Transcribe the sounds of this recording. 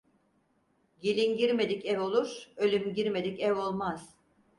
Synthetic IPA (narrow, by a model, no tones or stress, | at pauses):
ɟilʲinɟiɾme̞d̪icɛvo̞lˠuɾølʲymɟiɾme̞d̪icɛvo̞lˠmaz̥